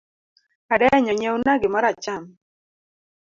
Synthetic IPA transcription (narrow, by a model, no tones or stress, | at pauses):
adɛɲɔɲewnaɡɪmaɾat͡ʃam